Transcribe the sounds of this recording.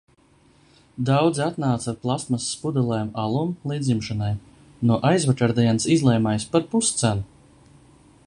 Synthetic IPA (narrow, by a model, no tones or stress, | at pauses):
d̪awd̪zat̪naːt̪saɾplˠast̪masːpud̪ɛlˠɛjmalˠumlˠiːd̪zimʃanaj | nuɔʔajzvakaɾd̪iɛnsizlˠɛjmajspaɾpust̪sænu